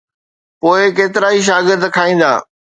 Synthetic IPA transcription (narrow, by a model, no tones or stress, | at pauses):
poːɪkeːt̪ɪɾaːiʃ̬aːɡɪɾd̪kʰaːĩːn̆d̪a̰ː